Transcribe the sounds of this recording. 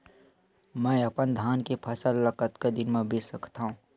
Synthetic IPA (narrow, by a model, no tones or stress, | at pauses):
mɛ̃ːɐpənd̪ʱaːnkepʰəsəlːəkət̪ked̪ɪnmẽbʱesəkʰt̪aɦũː